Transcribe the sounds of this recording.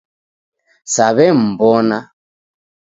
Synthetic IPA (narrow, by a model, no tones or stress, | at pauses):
saβɛm̩bɔna